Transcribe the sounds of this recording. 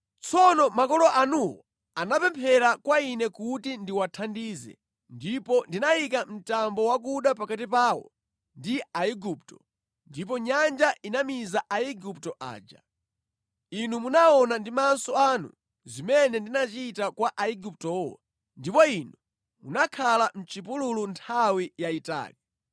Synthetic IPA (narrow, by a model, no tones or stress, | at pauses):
t͡sʰɔnɔmakɔlɔʔanuwɔ̰ | anapɛmpʰɛɾakwainɛkutindiwatʰandiːzɛ̰ | ndipɔndinaikam̩tambɔwak̬uɗapakatipaːwɔ̰ | ndiaiɡuptɔ | ndip̬ɔɲand͡ʒaʔinamizaʔaiɡuptɔʔa̰ːd͡ʒa̰ | inumunaɔnandimansɔanṵ | zimɛnɛndinat͡ʃitakwaʔaiɡup̚tɔwa | ndipɔinu | munakʰalam̩t͡ʃip̬ululuntʰawijaita̰ːli